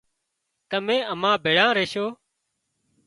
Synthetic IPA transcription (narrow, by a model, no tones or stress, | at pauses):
kəmẽːəmãːbʱeːɽãːɾeːʃoː